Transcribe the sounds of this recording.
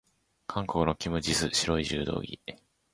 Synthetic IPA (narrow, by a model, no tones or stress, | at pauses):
kʰãŋkokːɯ̟no̞kʲimɯ̟d͡ʑisɨɕiɾo̞iʑɨ̰ːd̪o̞̰ːɡʲḭ